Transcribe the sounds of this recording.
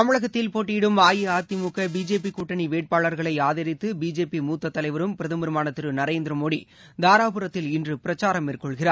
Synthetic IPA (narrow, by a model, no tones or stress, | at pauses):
t̪ɐmɪɭɐɣɐt̪ːɪlpoːʈːiɪɽɯmaːjɪaːt̪ːimukːɐbiːd͡ʒeːpikuːʈːɐɳiʋeːʈ̚paːɭɐɾɣɐɭɐɪaːðɐɾɪt̪ːɯbiːd͡ʒeːpimuːt̪ːɐt̪ːɐlɐɪʋɐɾɯmpɪɾɐðɯmɯɾɯmaːnɐt̪ːɪɾɯnɐɾeːnd̪ɾɐmoːɽḭ | d̪aːɾaːpɯɾɐt̪ːɪlɪndrɯpɪɾɐt͡ʃːaːɾɐmɪrkːɔɭɣɪraːɾ